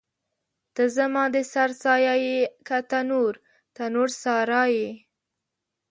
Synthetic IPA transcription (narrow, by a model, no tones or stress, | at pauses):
t̪əzamɑ̃d̪əsaɾsɑjajekat̪anuɾ | t̪anuɾsɑɾɑje